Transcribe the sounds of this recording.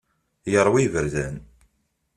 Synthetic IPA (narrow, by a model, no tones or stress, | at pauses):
jəɾˤwivəɾzæn